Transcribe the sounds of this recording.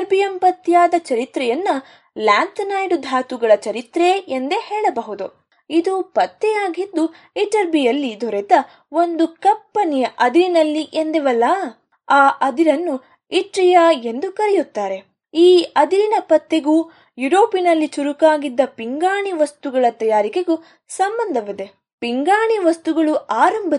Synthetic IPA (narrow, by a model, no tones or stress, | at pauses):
ɐɾbijɐmpɐt̪ːjaːd̪ɐt͡ʃɐɾit̪ɾɛjɐnːɐ | laːnt̪nɐjɖud̪ʱaːt̪uɡɐɭɐt͡ʃɐɾit̪ɾeend̪ehɛːɭɐbɐɦud̪u | id̪upɐt̪ːɛjaːɡid̪ːu | iʈɐɾbijɐlːid̪ʱɔɾɛd̪ɐ | o̞nd̪ukɐpːɐɳijɐʔɐd̪iɾinɐlːiʔend̪eʋɐlːɐ | aːʔɐd̪iɾɐnːu | iʈɾijɐe̞nd̪ukɐɾɛjut̪ːaːɾe̞ | iːɐd̪iɾinɐpɐt̪ːeɡuː | juɾo̞ːpinɐlːit͡ʃuɾukaːɡid̪ːɐpiŋɡaːɳiʋɐst̪uɡɐɭɐt̪ɐjaːɾikeɡu | sɐmbɐnd̪ʱɐʋid̪e̞ | piŋɡaːɳiʋɐst̪uɡɐɭuʔaːɾɐmbʱɐ